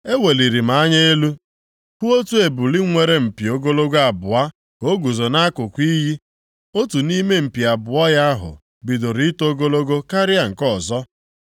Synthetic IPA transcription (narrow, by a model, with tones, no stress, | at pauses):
e˦we˨li˨ɾi˨ma˨a˦ɲe˦e˦lu˦ | ku˦o˦tu˦e˨bu˨li˦ŋʷe˨ɾe˦m̩˨pi˨o˨ɡo˦lo˦ɡa˨bʊ˨a˦ | o˦ɡu˨zo˨na˦kʊ˨kʷi˦ɦi˦ | o˦tu˨ni˦me˦m̩˨pi˨a˨bʊ˨a˦ja˦a˦ɦʊ̰˨ | bi˨do˨ɾi˦to˦ɡo˦lo˦ɡo˦ka˦ɾɪ˦a˨ŋ̩˨kɔ˦˨zɔ˦